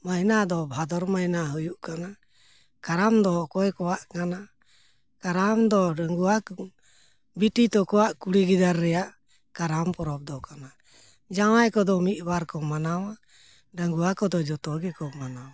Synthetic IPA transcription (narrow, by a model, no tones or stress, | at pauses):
majnad̪ɔbʱad̪ɔɾmajnaɦəjuʔkana | kaɾamd̪ɔkɔjkɔwaʔkana | kaɾamd̪ɔɖaŋɡuak | biʈit̪ɔkɔwaʔkuɽiɡid̪aɾːɛjaʔ | kaɾampɔɾɔp̚d̪ɔkana | d͡ʒaŋajkɔd̪ɔmit̪̚baɾkɔmanawa | ɖaŋɡuakɔd̪ɔd͡ʒɔt̪ɔɡɛkɔmanaw